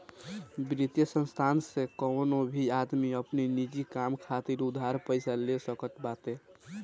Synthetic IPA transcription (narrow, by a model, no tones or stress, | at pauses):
bɾit̪jəsə̃nst̪ʰansekəwnobʱiad̪miəpninid͡ʒikamkʰat̪iɾud̪ʱaɾpəɪsalesəkət̪bat̪e